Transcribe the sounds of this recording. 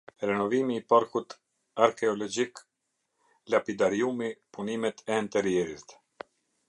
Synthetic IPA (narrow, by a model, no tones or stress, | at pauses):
ɾɛnɔvimiːpaɾkut̪ | aɾkɛɔlɔd͡ʒik | lapid̪aɾiumipunimɛt̪ɛːnt̪ɛɾjɛɾist̪